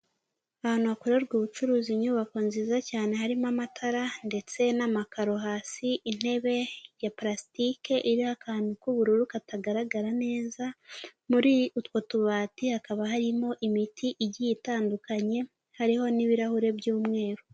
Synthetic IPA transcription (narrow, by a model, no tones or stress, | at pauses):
ahaːnuβakoɾeɾɡuβut͡ʃuɾuːziɲuːβakonziːzacaːne̞ɦaɾimamatʰaɾande̞t͡se̞namakaɾo̞ɦaːsiʔin̥e̞βe̞japɾasi̥tike̞ʔiɾihakaːndukuβuɾuɾukataɡaɾaɡaɾane̞ːzamuɾiutwotuβaːtihakaβaɦaɾimo̞ʔimitʰiʔiɟijitaːndukaɲe̞ | haɾiho̞niβiɾahuɾe̞bjuːmŋe̞ːɾo